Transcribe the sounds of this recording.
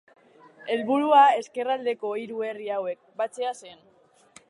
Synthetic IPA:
e̞lβuɾuae̞ske̞rald̪e̞ko̞iɾue̞riawe̞k̚bat͡se̞ase̞n

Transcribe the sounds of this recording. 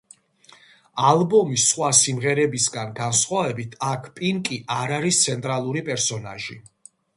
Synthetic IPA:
alˠbɔmisːχwasimʁɛɾɛbisɡanɡansχwavɛbit̪ʰakʰpʼiŋkʼiʔaɾaɾist̪sʰɛnt̪ʼɾalˠuɾipʼɛɾsɔna̰ʒḭ

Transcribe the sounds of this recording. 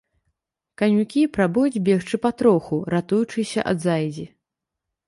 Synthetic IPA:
kanʲukʲipɾabujud͡zʲbʲɛxt͡ʂɨpɐt̪ɾɔxuɾat̪ujut͡ʂɨsʲɐ̰ʔɐ̰d̪zajd͡zʲi

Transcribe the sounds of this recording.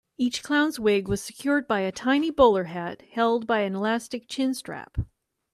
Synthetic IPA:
it͡ʃkʰl̥ãʊ̃nzwɪɡwʌz̥sɨ̥kʰj̥ʊɹd̚baɪɨtʰãɪ̃nibʊlˠə˞ɦæt̚hɛlˠd̚baɪɨ̃nəlæstɨk̚t͡ʃʰɪ̃nstɹ̥æ̰p

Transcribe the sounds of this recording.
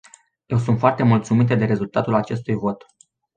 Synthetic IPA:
je̞wsunt̪foart̪e̞mult̪sumit̪ed̪e̞ɾe̞zult̪at̪ulat͡ʃe̞st̪ujvo̞t̪

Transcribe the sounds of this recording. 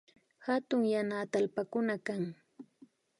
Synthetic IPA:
hat̪ʊŋjanaːt̪aalpakʊnakaŋ

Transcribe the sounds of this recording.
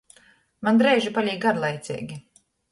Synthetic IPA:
mand̪ɾɛjʒipalʲiːɡaɾlˠajt̪sʲɛ̰ːɡʲi

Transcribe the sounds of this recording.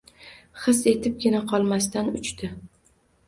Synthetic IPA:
χɨse̞t̪ʰɪp̚ɡʲɪnaqʰɒlˠmast̪anʊt͡ʃt̪ʰɪ

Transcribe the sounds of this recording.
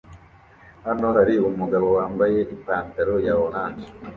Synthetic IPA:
hano̞haɾiumuɡaβo̞waːmbaje̞ʔipaːntaɾojaβonaːnd͡ʒi̥

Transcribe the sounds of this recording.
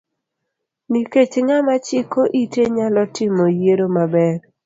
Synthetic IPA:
niket͡ʃŋamat͡ʃɪkoʔiteɲalɔtɪmojeɾomabɛɾ

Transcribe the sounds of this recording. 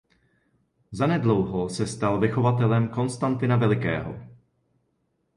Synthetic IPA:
zanɛdlowɦosɛst̪alvɪxo̞vat̪ɛlɛmko̞nst̪ant̪ɪnavɛlɪkɛ̰ːɦo̞̰

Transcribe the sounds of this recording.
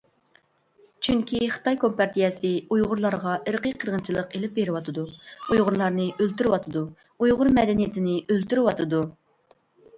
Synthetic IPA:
t͡ʃʰyŋkʲiχə̥t̪ɑjkʰompɑɾt̪ʰijɛsɪujʁʊɾlˠɑɾʁɑəɾqʰəjqʰəɾʁənt͡ʃʰilˠəqelɪp̚beɾɪwɑt̪ʰɨd̪uujʁʊɾlˠɑɾnɨølt̪yɾɪwɑt̪ʰɨd̪u | ujʁʊɾmɛd̪ɛnijɪt̪ʰɪnɪølt̪yɾɪwɑt̪ʰɨd̪u

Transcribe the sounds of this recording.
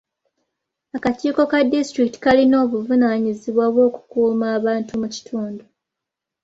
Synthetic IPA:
akaciːko̞kadistɾikti̥kalino̞ːβuvunaːɲiziβwaβwo̞ːku̥kuːmaːβaːntumuci̥tʰuːndu

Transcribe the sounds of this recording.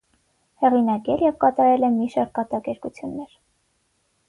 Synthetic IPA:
hɛʁinɑkɛljɛvkɑt̪ɑɾɛlɛmiʃɑɾkɑt̪ɑkɛɾkut͡sʰjunːɛɾ

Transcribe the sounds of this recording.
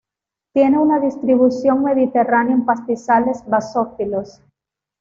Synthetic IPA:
t̪je̞ne̞unaðist̪ɾiβusjo̞ŋme̞ðit̪e̞ranjoempast̪isale̞zβasofilos

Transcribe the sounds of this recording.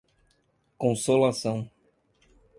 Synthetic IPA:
kõsolasɐ̃w̃

